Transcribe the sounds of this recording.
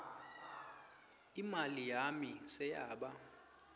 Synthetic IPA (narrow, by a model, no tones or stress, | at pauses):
imalijamisɛjaːɓa